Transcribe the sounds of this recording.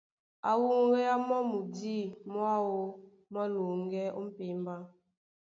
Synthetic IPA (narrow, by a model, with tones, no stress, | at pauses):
a̰˨wu˦ŋ˦ɣɛ˦a˦mɔ˦mu˨di˦mɔ˦a˦wo˦ | mɔ˦lu˨ŋ˦ɡɛ˦ʔo˦m̩˦pe˨mba˦